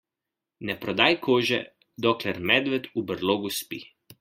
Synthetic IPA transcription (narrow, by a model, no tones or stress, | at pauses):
nɛpɾɔd̪aːjkʰoːʒɛ̰ | d̪ɔklɛɾmɛd̪ʋɛt̪ubəɾloːɡuspḭ